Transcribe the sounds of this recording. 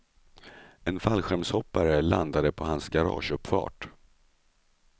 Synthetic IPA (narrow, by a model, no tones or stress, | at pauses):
ɛnfalɧɛɾmshɔpːaɾəland̪ad̪əpʰɔɦansɡaɾɑ̰ːʂɵpːfɑ̰ːʈ